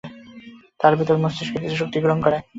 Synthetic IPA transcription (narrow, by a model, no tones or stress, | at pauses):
t̪aɾbit̪oɾmost̪eʃkekisuʃ̬ok̚t̪iɡɾoŋkɔɾe